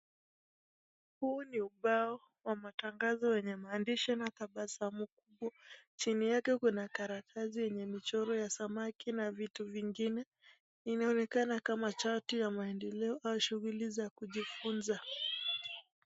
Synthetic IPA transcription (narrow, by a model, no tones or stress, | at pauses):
huːniuɓaɔ | wamataŋɡazɔwɛɲɛmaːndiʃɔnakaɓasamuk̚uɓwat͡ʃinijakɛkunakaɾakʰazijɛɲɛmit͡ʃɔɾɔjasamakinavituviŋɡinɛ | inaɔnɛkanakamat͡ʃatijamaɛndɛlɛɔʔaʃuɣulizakuʄifunza